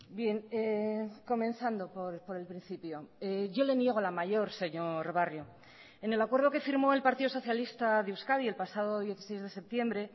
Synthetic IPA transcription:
bje̞neko̞mẽ̞nθand̪o̞poɾpo̞ɾe̞lpɾĩn̟θipjo̞eʝo̞le̞nje̞ɣ̞o̞lamaʝo̞ɾse̞ɲo̞ɾβarjo | ene̞lakwe̞ɾð̞o̞ke̞fiɾmo̞e̞lpaɾt̪iðoso̞θjalist̪aðewskaðie̞lpasað̞o̞ðje̞θi̥se̞jzðe̞se̞p̚t̪je̞mbɾe̞

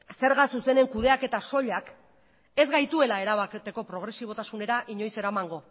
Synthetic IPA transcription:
se̞ɾɣasuse̞ne̞ŋkuð̞e̞ake̞t̪aso̞ʎak | e̞zɣajt̪ue̞lae̞ɾaβaket̪e̞ko̞pɾo̞ɣ̞ɾe̞siβo̞t̪asune̞ɾaʔiɲo̞jse̞ɾamaŋɡo̞

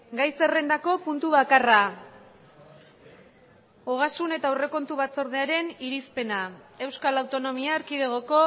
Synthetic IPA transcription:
ɡajse̞re̞nd̪ako̞punt̪uβakara | oɣ̞asune̞t̪aore̞ko̞nt̪uβat͡so̞ɾð̞e̞aɾe̞niɾispe̞nae̞wskalawt̪o̞no̞miaːɾkiðeɣ̞oko̞

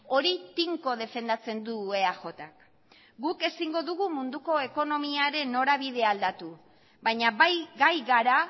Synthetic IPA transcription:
o̞ɾit̪iŋko̞ð̞e̞fe̞nd̪at͡se̞nd̪ue̞axo̞t̪ak | ɡuke̞siŋɡo̞ðuɣ̞umund̪uko̞e̞ko̞no̞miaɾe̞no̞ɾaβ̞iðe̞ald̪at̪u | bajɲaβajɡajɣaɾa

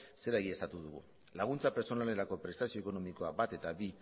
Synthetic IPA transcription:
se̞ɾaeɣie̞st̪at̪uðuɣṵ | laɣ̞unt͡sape̞ɾt͡so̞nale̞ɾako̞pɾe̞st̪asio̞eko̞no̞miko̞abat̪e̞t̪aβi

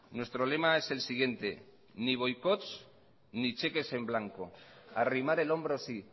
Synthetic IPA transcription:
nwe̞st̪ɾo̞le̞mae̞se̞lsiɣ̞je̞nt̪e̞ | niβ̞o̞jkot̪t͡s | nit͡ʃe̞ke̞se̞mblaŋkoarimaɾe̞lo̞mbɾosi

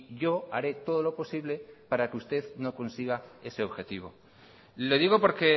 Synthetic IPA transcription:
ʝo̞aɾe̞t̪o̞ð̞o̞lo̞po̞siβle̞paɾakeust̪e̞ðno̞ko̞nsiɣ̞ae̞se̞o̞βxe̞t̪iβ̞o̞̰ | le̞ðiɣo̞po̞ɾke̞

